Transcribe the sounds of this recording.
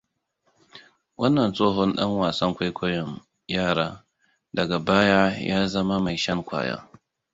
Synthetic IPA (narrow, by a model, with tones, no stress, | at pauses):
wɐ˦nːɐ˨nsʼoː˦ɦɔ˦nɗɐ̰˦ŋwaː˨sɐ˦ŋkʷa˦jkʷʰɔ˦jɔ˨ŋ | jaː˦˨ɽaː˦ | dɐ˨ɡa˨baː˦ja˦jaː˦zɐ˦ma˦ma˨jʃɐ˦ŋkʷa̰ː˨ja̰ː˦